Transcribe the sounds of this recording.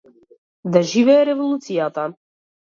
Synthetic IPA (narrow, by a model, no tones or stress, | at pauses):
d̪aʒivɛɛɾɛvolˠut̪sijat̪a